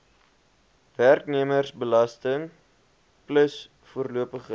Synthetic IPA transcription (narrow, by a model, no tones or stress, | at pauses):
værkniəmərsbəlɐstəŋ | pləs | fuərluəpəχə